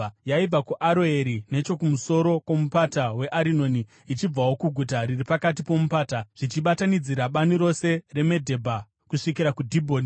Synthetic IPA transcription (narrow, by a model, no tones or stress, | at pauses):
jaib͡vakuʔaɾo̞e̞ɾine̞t͡ʃo̞kumuso̞ɾo̞kwomupatawe̞ʔaɾino̞ːniː | t͡ʃib͡vawo̞kuɡʱutaɾiripakat̬ipo̞mupaːtaʐ̥it͡ʃiɓatanid͡ziɾaɓaniɾo̞se̞re̞me̞dʱe̞bʱa | kuʂikiɾakudʱibʱo̞ːni